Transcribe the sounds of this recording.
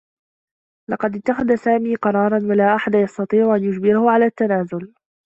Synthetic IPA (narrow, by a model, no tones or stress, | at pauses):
lɑqɑd̪ɪt̪ːaxaðasaːmiːqɑɾˤɑːɾˤɑnwalaːʔaħad̪ajɑst̪ɑt̪ˤiːʕʊʔanjʊd͡ʒbɪɾahʊʕalaːt̪ːanaːzʊl